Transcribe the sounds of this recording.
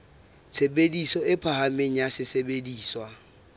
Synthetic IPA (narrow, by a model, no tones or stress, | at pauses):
t͡sʰebedisɔɪpʰahameŋ̩asɪsebediːswa